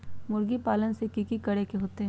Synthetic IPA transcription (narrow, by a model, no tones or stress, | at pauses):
mʊɾɡipaːlənsekikikɐɽekeɦoːt̪eɦɛ